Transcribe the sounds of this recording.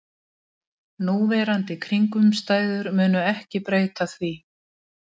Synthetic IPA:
nuːvɛːɾant̪ɪkʰɾiŋkʏmst̪aːjðʏɾmʏːnʏɛhcɪpɾeːjt̪aθvi

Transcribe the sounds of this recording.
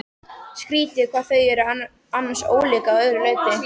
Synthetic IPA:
skɾiːt̪jɪkʰvaːð̥θœɥjɛɾʏ | anːanso̰ːwliːkaðœðɾʏɾleːɥt̪ɪ

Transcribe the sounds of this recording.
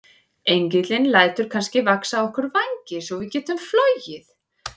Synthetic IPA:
ejɲcɪt̪lɪnlaːjt̪ʏɾ̥kʰanscɪvaksaɔhkʏɾvajɲcɪsɔɣvɪðcɛːt̪ʏmfloɥjɪθ

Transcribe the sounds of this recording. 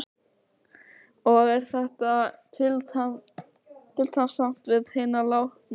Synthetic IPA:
ɔɣɛɾ̥θɛht̪at̪ʰɪlt̪a | t̪ʰɪlt̪ʰamsam̥t̪vɪðheːnalawht̪na

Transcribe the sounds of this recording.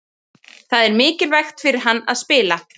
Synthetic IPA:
θaðɛɾmɪːcɪlvɛxt̪fɪɾɪɾ̥ɦanːa̰ðspɪːla

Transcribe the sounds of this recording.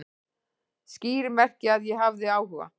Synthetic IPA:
sciːɾɪmɛr̥cɪaðjɛɦavðɪaːwhʏva̰

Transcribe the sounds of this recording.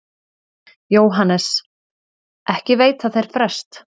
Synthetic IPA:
joːwɦanɛs | ʔɛhcɪveːjt̪aðθejɾ̥fɾɛ̥st̪

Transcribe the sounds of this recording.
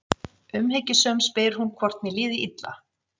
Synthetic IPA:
ʏmhecɪsœːmspɪɾ̥hunkʰvɔr̥t̪mɛliːðiʔit̪la̰

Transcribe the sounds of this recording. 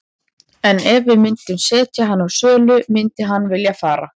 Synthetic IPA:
ɛnɛvɪðmɪnt̪ʏmsɛːt̪jaɦanːawsœːlʏmɪnt̪ɪɦanːvɪljafaːɾa̰

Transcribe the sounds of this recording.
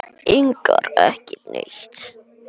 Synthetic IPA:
ɪŋkaɾɛhcɪneçt̪

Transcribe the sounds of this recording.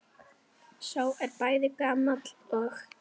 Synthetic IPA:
saːwɛɾpaːjðɪkaːmat̪l̥ɔɣ

